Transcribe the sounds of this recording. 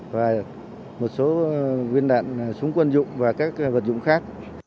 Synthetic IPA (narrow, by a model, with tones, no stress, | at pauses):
vaː˨˩ | mo˨˩t̚so˨˦ŋwi˧ənɗa̰ː˧˨nsʊ˨˦ŋ͡mkwə˧nzʊ̰˧˨ŋ͡mvaː˨˩kaː˦˥k̚və˨˩t̚zʊ̰˧˨ŋ͡mxaː˦˥k̚